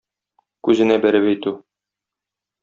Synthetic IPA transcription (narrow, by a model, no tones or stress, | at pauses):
kʉzɘ̆næbæɾɘpæjt̪ʉ